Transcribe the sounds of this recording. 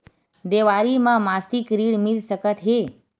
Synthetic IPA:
d̪eʋaɾimãmast̪ikɾiɽmilʃəkət̪ɦe

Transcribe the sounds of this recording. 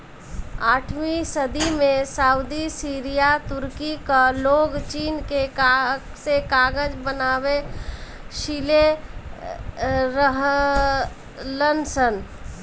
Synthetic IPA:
aːʈʰmisəd̪imẽsaːʊd̪isiːɾijat̪ʊɾkikaloːɡt͡ʃiːnkeka | sekaːɡəd͡ʒbənaːwe | ʃile | ɾəɦ | lənsən

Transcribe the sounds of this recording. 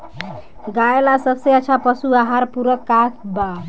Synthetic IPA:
ɡaelasʌbseʌt͡sʰapʌsuaɦaɾpuɾʌkːasʰba

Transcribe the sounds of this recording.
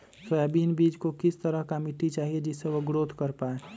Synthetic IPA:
sɛbiːnbiːd͡ʒkokɪst̪əɾəɦkamiʈit͡ʃaːɦied͡ʒɪsːeʋoɡɾoːd̪ʱkəɾpaːe

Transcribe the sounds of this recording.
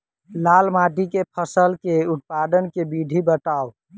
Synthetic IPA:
lalmaʈikepʰəsəlkeut̪̚pad̪ənkebiɖʱibəʈ̪aːo

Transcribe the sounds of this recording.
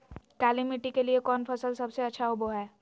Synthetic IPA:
kaːlimɪʈikeliekɔːnfʰɐsəlsɐbseɐtːʃʰaoboɦɛː

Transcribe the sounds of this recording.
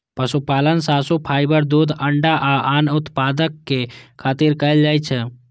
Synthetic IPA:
pəsupaːlənsaːsupʰaːɪbəɾd̪uːd̪əɳɖaʔaʔaːnʊt̪paːd̪əkːekʰaːt̪iɾkəjld͡ʒaːjt͡ʃʰɛ

